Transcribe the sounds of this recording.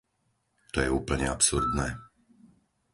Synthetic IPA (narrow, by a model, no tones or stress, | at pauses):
t̪ɔjɛuːpl̩ɲɛapsuɾd̪nɛː